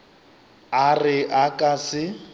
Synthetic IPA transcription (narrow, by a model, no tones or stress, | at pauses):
arɪʔakʼasɪ